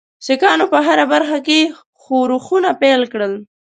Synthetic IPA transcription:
sɪkɑnopəɦaɾabaɾxake | xoɾuxunapelkɽəl

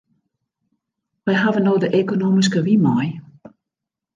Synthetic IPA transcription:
ʋɛjɦavənoːdəʔekonoːmis̬kəʋimɔj

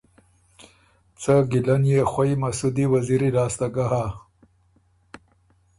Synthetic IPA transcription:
t͡səɡɪlanjexwajmasud̪iwaziɾilɑːst̪aɡaɦa

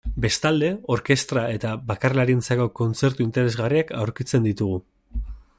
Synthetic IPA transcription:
be̞st̪ald̪e̞o̞ɾke̞st̪ɾae̞t̪aβakarlaɾint͡sako̞ko̞nt͡se̞ɾt̪uint̪e̞ɾe̞zɣariakʰawɾkit͡se̞nd̪it̪uɣ̞u

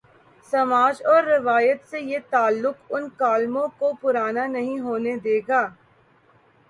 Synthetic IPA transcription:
sɐmaːd͡ʒɔːɾːɪʋaːjət̪sejet̪aːlːʊkʊnkaːlmõkopʊɾaːnanɐɦĩɦoːned̪eːɡaː

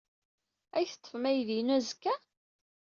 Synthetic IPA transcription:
æjθt̪ˤːə̥fmæjðinæzkːæ

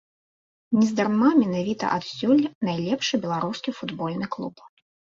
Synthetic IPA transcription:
nʲɛzd̪armamʲɛnavʲit̪ɐ̰ʔat̪sʲulʲnajlʲɛpʂɨbʲɛlˠaɾuskʲifud̪bɔlʲnɨklˠup

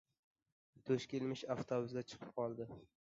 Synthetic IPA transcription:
t̪ʰɵʃkʲelmɪʃaft̪ʰobʊsɡʲat͡ʃʰɨ̥qʰɨ̥p̚qʰɒlˠd̪ɪ

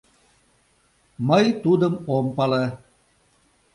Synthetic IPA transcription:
məjt̪ud̪əmompɑle

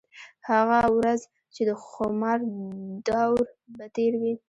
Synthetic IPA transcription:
haɣawɾaz | t͡ʃed̪əxʊmɑɾd̪awɾ | bat̪eɾwi

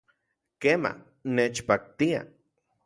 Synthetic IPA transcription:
kema̰ | net͡ʃpak̚t̪ia̰

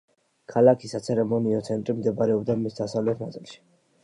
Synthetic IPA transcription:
kʰalˠakʰisat̪sʰɛɾɛmɔniɔt̪sʰɛnt̪ʼɾimd̪ɛbɾɛɔbd̪amisd̪asavlɛt̪ʰnad̪zilˠʃi̥

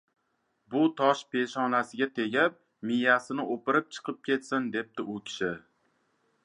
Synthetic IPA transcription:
bʊt̪ʰɒʃpʰe̞ʃɒnasɪɡʲat̪ʰe̞ɡʲap̚ | mɪjasɪnɪʔopɪɾɪp̚t͡ʃʰɨ̥qʰɨp̚kʲe̞t̪sɪnd̪e̞p̚t̪ɪʔʊkʲʰɪ̥ʃɪ

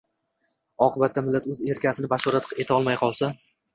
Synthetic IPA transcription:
ɒqʰɨbat̪ʰːamɪlːat̪ɵze̞ɾkʲasɪnɪbaʃɒɾat̪e̞t̪ʰaɒlˠmajqʰɒlˠsa

